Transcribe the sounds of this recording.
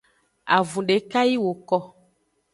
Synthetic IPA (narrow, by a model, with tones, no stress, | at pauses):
a̰˨vũ˨ɖe˨ka˦ji˦wo˨kɔ˦